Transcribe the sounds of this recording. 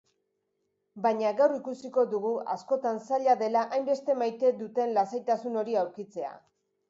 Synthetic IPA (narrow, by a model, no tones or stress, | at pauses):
baɲaɣawrikusiko̞ðuɣua̰sko̞t̪ansaʎaðe̞laʔajmbe̞st̪e̞majt̪e̞d̪ut̪e̞nlasajt̪asuno̞ɾiawɾkit͡se̞a̰